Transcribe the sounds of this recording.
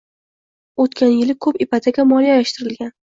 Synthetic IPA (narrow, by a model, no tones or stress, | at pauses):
ot̪kʲʰanjɪlɪkʰɵpɪpʰad̪ʰaɡʲamɒlijajaʃt̪ɪɾɪlɡʲan